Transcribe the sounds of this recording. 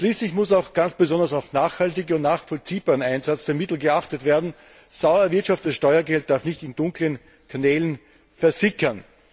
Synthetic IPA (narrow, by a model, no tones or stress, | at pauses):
ʃliːslɪçmʊsaʊxɡ̥ant͡sb̥əzɔndɐs̬aʊfnaːχhaltɪɡʊntnaːχfɔlt͡siːbaːʁənaɪnzat͡sd̥eːɐmɪtl̩ɡəaxtətv̥eːɐdn̩ | z̥aʊɐvɪɐtʃaftɛsʃtɔʏɐɡɛlt̚d̥aɐfnɪçtɪndʊŋklən | kʰanɛːlən | fɛɐzɪçɐn